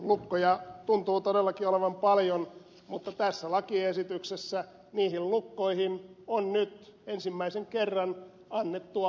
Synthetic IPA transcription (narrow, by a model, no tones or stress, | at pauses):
lukːojɑt̪unt̪uːt̪odelːɑkioleʋɑmpɑljon | mut̪ːɑt̪æsːælɑkiesit̪yksesːæ | niːhillukːoihinonnyt̪ensimːæiseŋkerːɑn | ɑnːet̪ːu